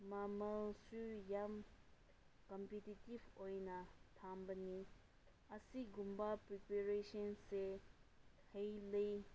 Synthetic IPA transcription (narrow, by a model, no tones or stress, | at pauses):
mamalsyjam | kɔmpetitivojnat̪ʰambani | ʔasiɡumpapɹipeɹeʃɔnse | hejle